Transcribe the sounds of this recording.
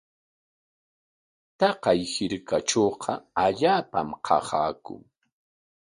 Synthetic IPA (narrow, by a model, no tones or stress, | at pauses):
t̪ɑqɑjhɪɾkaʈ͡ʂoːqʰɑaʎaːpa̰mqʰɑ̰haɑːkʊ̰ŋ